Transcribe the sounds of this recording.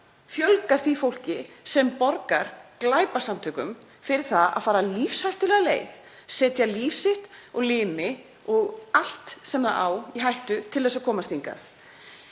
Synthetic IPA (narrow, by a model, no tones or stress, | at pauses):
fjœlkaɾ̥θvifowl̥cɪsɛmpɔɾkaɾ̥klaːjpḁsamt̪ʰʏːkʏm | fɪɾɪɾ̥θaða̰ðfaːɾalifshajht̪ʏlɛːɣalḛːjv | sɛːt̪jalifsɪht̪ɔɣlɪːmɪ | ɔɣal̥t̪sɛmðaa̰ːwiɦajht̪ʏt̪ʰɪlɛsakʰɔːmast̪iŋka̰θ